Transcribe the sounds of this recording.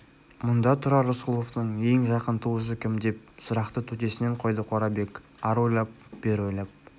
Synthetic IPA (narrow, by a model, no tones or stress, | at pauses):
mʊnd̪ɑt̪ʰʊɾɑɾosqʊlˠoft̪əɴe̞ŋʒɑqənt̪ʰuwəs̬əkʲʰɪmd̪e̞p̚sʊɾɑqt̪ət̪ʰɵt̪e̞sɪne̞ɴqʰo̞jd̪əqʰo̞ɾɑbe̞k | ɑɾojlˠɑp̚b̥eɾojlˠɑp̚